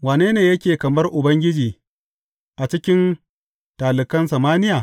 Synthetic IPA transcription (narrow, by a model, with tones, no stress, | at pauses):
waː˨neː˦neː˨jɐ˦kʲeː˨kɐ˨mɐ˦rʔʊ˨bɐ˦ŋɡʲɪ˦d͡ʒiː˨ | ʔa˨t͡ʃɪ˦kʲɪ˦n | taː˨lɪ˨kɐ˦nsɐ˨maː˦nɪ˦jaː˨